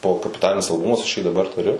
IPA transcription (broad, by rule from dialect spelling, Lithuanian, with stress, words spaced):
ˈbʊʋoː kɐpʲɪˈtɑːlʲɪnʲɪs ɐlˠˈbʊmɐs ɐʃ jiː dɐˈbɐr tʊˈrʲʊ